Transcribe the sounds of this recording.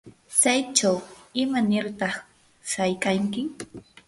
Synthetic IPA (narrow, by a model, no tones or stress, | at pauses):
t͡ʃajt͡ʃawɪmanɪɾt̪ɑχ | sajkaŋkɪ